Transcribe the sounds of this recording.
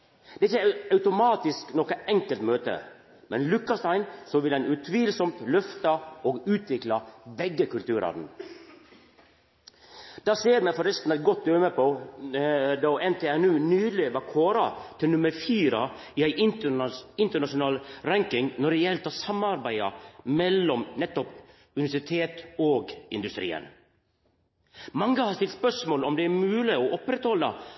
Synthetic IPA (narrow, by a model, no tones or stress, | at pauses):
d̪ɛɪçəɑʉt̪ʊmɑːt̪ɪsknɔkəɛŋkəlt̪møːt̪ə̰ | mɛnlʉkːɑst̪æɪnsɔʋɪlɛnʉt̪ʰʋiːlsɔmt̪lœft̪ɑoːɡʉːt̪ʰʋɪklɑbɛɡːəkʰʉlt̪ʉːɾʔɑ̰ːd̪n̩ | d̪̥ɑːseːɾmɛfɔɾɛst̪n̩ɛt̪̚ɡɔt̪̚d̪øːməpʰɔ | d̪ɔɛnt̪ʰeːɛnʉːnyːleʋɑkʰoːɾɑt̪ʰɪlnʉməɾfiːɾə | ɪæɪ | ɪnt̪əɳɑʂʊnɑːlɾæŋkɪŋnɔɖɛjɛlt̪ʰɑːsɑmɑɾbæɪɑ̰mɛlːɔmnɛt̪ːɔp | ʉnɪʋæʂɪt̪ʰeːt̪oːɡɪ̰nd̪ʉst̪ɾḭːə̰n | mɑŋːəhɑːɾst̪ɪlt̪spœʂmoːlɔmd̪ɛæɾmʉːlɪoʔɔpɾɛt̪hɔlːə̰